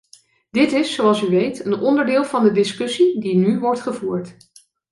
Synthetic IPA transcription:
d̥ɪtɪsːowɑlˠsyʋejtənɔndəɹdɪːlˠvɑndədɪskɵsidinyʋɔɹtχəvuːɹt

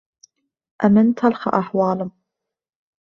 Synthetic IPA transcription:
ʔamɪnt̪alxa̰ʔaħwaːlʊm

